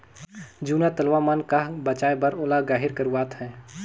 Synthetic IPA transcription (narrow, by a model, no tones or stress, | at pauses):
d͡ʒuːnat̪əlʋamankabət͡ʃaːebɐɾoːlaɡaːɦɪɾkəɾuwaːt̪ɦɛ̃ː